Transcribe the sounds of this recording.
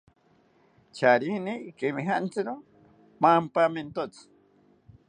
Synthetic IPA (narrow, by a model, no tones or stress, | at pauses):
t͡ʃaɾinikemiɦaʔnt͡sɨɾo | mampament̪ot͡s